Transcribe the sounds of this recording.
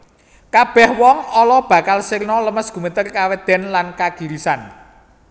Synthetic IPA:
kab̥ɛ̤hwɔŋɔlɔb̥ä̤kalsirnɔləməsɡ̥ṳmət̪ərkawed̪̥ɛ̤nlankaɡ̥i̤ɾisan

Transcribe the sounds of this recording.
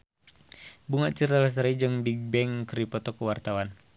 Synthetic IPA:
buŋaʔt͡ʃərtalas̬aɾid͡ʒɨŋbiɡ̚bɛŋkɾipɔt̪ɔkəwart̪awan

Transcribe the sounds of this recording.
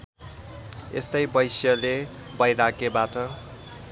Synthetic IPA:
ḛst̪ʌjbʌjsjʌlebʌjɾakebatʌ

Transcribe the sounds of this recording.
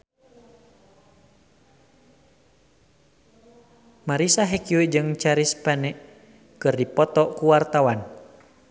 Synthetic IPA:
maɾisaɦɛkuwid͡ʒɨŋt͡ʃaɾispɛnɛʔ | kɨrdipɔt̪ɔkuwart̪awan

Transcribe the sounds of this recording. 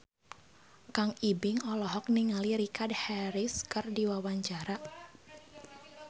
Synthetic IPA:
kaŋibɪŋɔlɔɦɔk̚niŋaliɾikadhɛɾɪskɨrdiwawaɲt͡ʃaɾa

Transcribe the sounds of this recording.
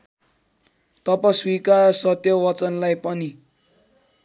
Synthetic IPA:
t̪ʌpaswikaɾsʌt̪jʌwʌt͡sʌnlajpʌni

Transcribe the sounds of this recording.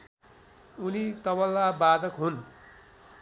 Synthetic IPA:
unit̪ʌβʌlːabad̪ʌkɦun

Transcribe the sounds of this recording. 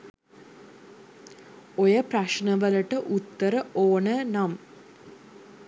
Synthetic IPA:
ojɐprɐʂɳɐʋɐlɐʈəʔut̪ːəɾəoːɳənɐm

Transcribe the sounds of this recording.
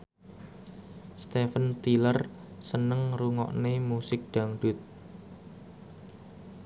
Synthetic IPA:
st̪efənt̪ilər | sənəŋruŋɔ̰ʔnemusɪk̚ɖ̪̥a̤ŋɖ̥ʊ̤t̪̚

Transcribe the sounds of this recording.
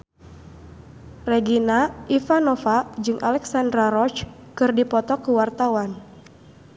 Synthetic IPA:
rɛɡinaʔifanɔfad͡ʒɨŋʔalɛksandɾaɾɔt͡ʃ | kɨrdipɔt̪ɔkuwart̪awan

